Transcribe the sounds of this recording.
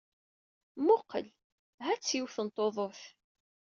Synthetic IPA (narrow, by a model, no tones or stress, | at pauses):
mʊqːəl | ɦæt͡sːjiwθənt̪ˤːoðˤoθ